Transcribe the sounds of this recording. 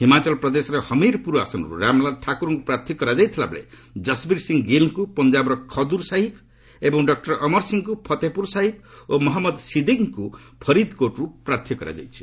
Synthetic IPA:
ɦimat͡ʃʌlpɾʌd̪esɾehʌmiɾpuɾua̰sʌnɔ̰ɾṵɾamlaʈʰakuɾuŋkupɾaɾt̪ʰjɔkʌɾad͡ʒajt̪ʰila̰blḛ | d͡ʒʌsbiɾsiŋɡilkupʌnd͡ʒabɾʌkʰʌd̪uɾsaɦib | ebɔŋɖʌk̚ʈʌɾʌmʌɾsiŋkupʰʌt̪epuɾsaɦibomɔɦɔmːʌd̪sid̪iŋku | pʰʌɾid̪koʈɾupɾaɾt̪ʰjɔkʌɾa̰d͡ʒa̰jt͡ʃʰi̥

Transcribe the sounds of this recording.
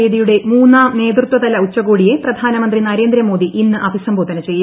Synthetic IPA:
eːðijuɽe̞muːnːaːne̞ːd̪rɨt̪wɐd̪ɐlɐut͡ɕːɐɣoːɽije̞prɐd̪ʱaːnɐmɐnd̪rinɐɾe̞ːnd̪ɾɐmo̞ːd̪iʔinːɨʔɐbʱisɐmbʱod̪ɐnɐt͡ɕe̞jː

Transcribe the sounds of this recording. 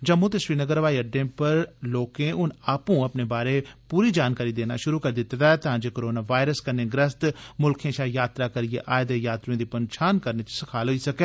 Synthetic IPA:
d͡ʒəmːoːt̪eʃiːnəɡəɾʋaːiəɖẽːpəɾloːkẽːʊnaːpũːəpneːbaːɾeːpuːɾiːd͡ʒaːnkaːɾiːd̪eːna̰ːʃʊɾuːkəɾd̪ɪt̪d̪aːt̪ɐɦãːd͡ʒeːkoɾoːnaːʋaːɪɾəskəɾnẽːɡɾəst̪mʊlkʰẽːʃaːjaːt̪ɾaːkəɾɪjeːʔaːjd̪eːjaːt̪ɾẽːd̪iːpənʃʰaːnkəɾneːt͡ʃsɪkʰaːlɦoiːsəkeː

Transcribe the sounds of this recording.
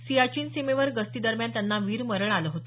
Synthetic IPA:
siat͡ɕiːnsemeʋəɾɡəst̪iːd̪əɾmjant̪janːaʋiːɾməɾəɳaləːɦot̪o

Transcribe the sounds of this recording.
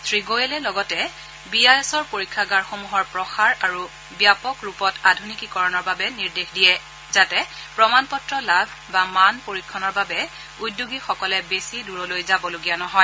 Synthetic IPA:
tʰɹiɡojɛlɛlɔɡɔtɛ | biajɛsɔɹpoɹikʰːaɡaɹxomuɦɔɹpɹɔxaɹaɹu | bjapɔkɹupɔtadʱunikikɔɹɔnɔɹbabɛniɹdexdijɛ | zatɛpɹɔmanpɔtːɹɔlabʱ | bamanpoɹikʰːɔnɔɹbabɛ | udːuɡixɔkɔlɛbesiduɹɔlojzabɔloɡijanɔɦɔj

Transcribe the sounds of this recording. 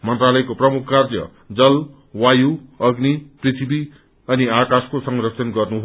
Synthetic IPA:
mʌnt̪ralʌjkoprʌmukʰːkard͡zjʌ̰ | d͡zʌl | wajuʌɡniprit̪ʰibi | ʌniakaskosʌŋrʌk̚sʰʌnɡʌrnuɦ

